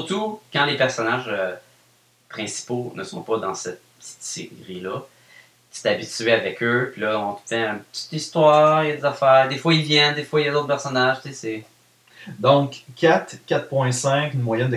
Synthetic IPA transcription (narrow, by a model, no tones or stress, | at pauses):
sɨʁt̪ukɑ̃lepɛʁsɔnaʒø | pχɛ̃si̥ponəsɔ̃pʌd̪ɑ̃sɛt̪̚pəət͡s̪i̥t̪seʁilʌ | kʲi̥st̪abitt͡syeavɛkʲøpilʌɔ̃t̪ə̥fɛɛ̃pə̥t͡s̪i̥t̪ist̪wɑːʁjd̪ezafæːʁd̪efwailvjɛnd̪efwailjad̪ot̪χpɛʁsɔnaʒt͡sese | d̪ɔ̃kʰːat̪kʲat̪̚pwɛ̃sɛ̃knmwajɛnd̪ə